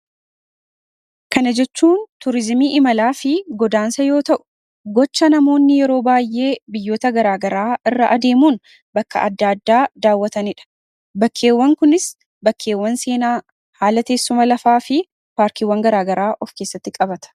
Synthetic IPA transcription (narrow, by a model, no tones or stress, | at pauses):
kɐnɐd͡ʒɛt͡ʃːuːnt̪ʊɾɪzmiːʔɪmɐlaːfɪɡɔd̪aːnsɐjo̞ːt̪ɐʔʊ̥ | ɡɔt͡ʃːɐnɐmo̞ːnːɪjɛɾo̞ːbaːjːe̞ːbɪjːo̞ːt̪ɐɡɐɾaːɡɐɾaːɪrːɐʔɐd̪e̞ːmuːn | bɐkːɐ̰ʔɐ̰d̪ːaːd̪ːaːd̪aːwːɐt̪ɐnɪᶑɐ̥ | bɐkʰːe̞ːwːɐŋkʊnɪs | bɐkʰːe̞ːwːɐnse̞ːnaː | haːlɐt̪e̞ːsːʊmɐlɐfaːfɪ | paːɾkiwːɐŋɡɐɾaːɡɐɾaːʔɔfke̞ːsːɐt̪ːɪkʼɐbɐt̪ɐ̥